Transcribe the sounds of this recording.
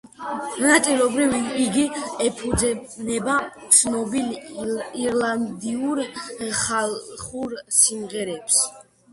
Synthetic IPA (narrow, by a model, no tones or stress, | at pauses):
nat̪ʼilɔbɾiviɡiɛpʰud̪zɛnɛbat̪sʰnɔbiliɾland̪iuɾχalχuɾsimʁɛɾɛps